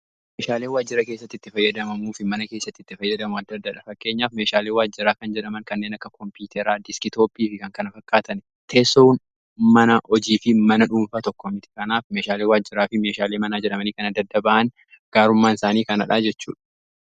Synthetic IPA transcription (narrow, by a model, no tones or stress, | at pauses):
meːʃaːleːwaːd͡ʒːɪɾɐke̞ːsːɐt̪ːɪt̪ːɪfɐjːɐd̪ɐmɐmuːfɪmɐnɐke̞ːsːɐt̪ːɪt̪ːɪfɐjːɐd̪ɐmʊɐd̪ːɐd̪ːɐᶑɐfɐkːe̞ːɲːaːfme̞ːʃaːleːwaːd͡ʒːɪɾaːkɐnd͡ʒɛᶑɐmɐŋkɐnːeːnɐkːɐkɔmpuːt̪ʰɛɾaːd̪ɪskɪt̪oːpʼiːfɪkɐŋkɐnɐfɐkːaːt̪ɐn | t̪ʰɛːson | mɐnɐʔɔd͡ʒiːfɪmɐnɐᶑuːmfaːt̪ɔkːɔmɪt̪ɪ̥kɐnaːfme̞ːʃaːleːwaːd͡ʒːɪɾaːfɪme̞ːʃaːleːmɐnaːd͡ʒɛᶑɐmɐniːkɐnɐd̪ːɐd̪ːɐbaʔɐn | ɡ̥aːɾʊmːaːnɪsaːniːkɐnɐᶑaːd͡ʒɛt͡ʃːṵːᶑɐ̥